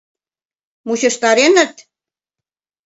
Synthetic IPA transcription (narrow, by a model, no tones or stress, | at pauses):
muɕə̆ʃt̪ɑɾenə̆t̪